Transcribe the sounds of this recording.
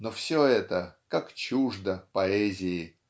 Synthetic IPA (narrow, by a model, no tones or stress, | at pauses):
nofsʲoɛt̪əkakt͡ɕuʐd̪əpɐɛzʲɪɪ